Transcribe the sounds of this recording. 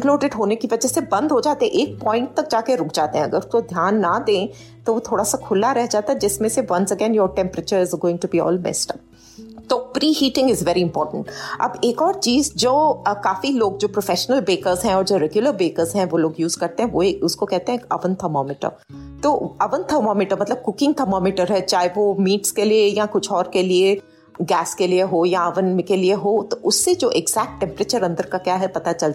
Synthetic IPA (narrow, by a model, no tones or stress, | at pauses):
kloːɖɪɖɦoːnekiʋɐd͡ʒəɦsebɐ̃nd̪ʱɦod͡ʒaːt̪eɦɛ̃ʔeːk̚pɔːɪ̃ɳʈ̚t̪ɐk̚d͡ʒaːkeɾʊkʰd͡ʒaːt̪eɦɛ̃ɐɡəɾʊkod̪ʱjaːnːɐd̪ẽː | t̪oʋot̪ʰoːɽasakʰʊlːaɾɛɦd͡ʒaːt̪aɛd͡ʒɪsmẽseʋɐ̃nsəɡɛ̃ːnjɔːɾʈɛ̃mpɾət͡ʃəɾɪzɡoːɪ̃ŋʈubiɔ̰ːlmɛ̰sʈəb̚ | t̪oːpɾiːɦiːʈɪ̃ŋɡɪzʋɛɾiɪ̃mpɔːɾʈə̃ɳʈʔɐ̰beːkɔːɾt͡ʃiːzd͡ʒoːkaːfiloːɡ̚d͡ʒoːpɾofɛʃənəlbeːkəɾzɦɛ̃ɔːɾd͡ʒoːɾɛɡjʊləɾbeːkəɾzɦɛ̃ʋoloːɡjuːzkɐɾt̪eɦɛ̃ʋoeʊskokɛɦt̪ẽɦɛ̃kɐ̰ʋənt̪ʰəɾmɔːmɪʈə̰ɾ | t̪oːɐʋə̃nt̪ʰəɾmɔːmɪʈəɾmɐt̪ləb̚kʊkɪ̃ŋɡt̪ʰɐmɔːmɪʈəɾɦɛt͡ʃaːɦeʋomiːʈskeliejakʊt͡ʃʰɔːɾkelie | ɡɛːskelieɦojaɐʋənmkelieɦoːt̪oʔʊsːed͡ʒoːʔɪɡz̥æːk̚ʈʈːɛ̃mpɾet͡ʃəɾɐ̃nd̪əɾkakjaːɦɛpɐt̪at͡ʃɐl